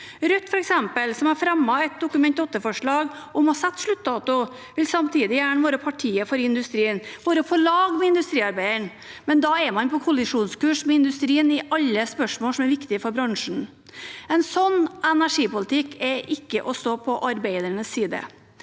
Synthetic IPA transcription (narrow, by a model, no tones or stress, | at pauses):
ɾʉt̪ːfɔɾɛksɛmpəlsɔmæɾfɾɛmːɑɛt̪̚d̪ʊkʉmɛnt̪ɔt̪ːəfɔʂɭɑːɡɔmhɑsɛt̪ːʂɭʉt̪ːd̪ɑːt̪ʊ | ʋɪlsɑmt̪ʰiːd̪ɪjæːɳəʋoːɾəpʰɑʈʰiːəfɔɾɪnd̪ʉst̪ɾiːənʋoːɾəɔfoːlɑːɡmɛɪnd̪ʉst̪ɾiːɑɾbæɪəɳ | mɛnd̪ɑɛmɑnpʰɔkʰʊlɪʂuːnskʉːʂmɛɪnd̪ʉst̪ɾiːənɪʔɑlːəspœʂmoːlsɔmæɾʋɪkt̪ɪfɔɾbɾɑŋʂɳ̩ | ɛnsɔnːɛnæʂiːpʊlɪt̪ʰɪkːɛʔɪkːəʔɔsɔpʰɔʔɑɾbæɪd̪əɳəsːiːd̪ə̰